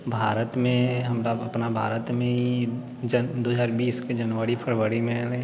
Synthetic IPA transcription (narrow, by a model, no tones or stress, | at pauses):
bʱaːɾət̪mẽɦɐmɾaɐpnabʱa̰ːɾət̪mẽɦi | d͡ʒəd̪oːɦzaːɾbiːsked͡ʒɐnʋəɾipʰəɽʋəɾimẽle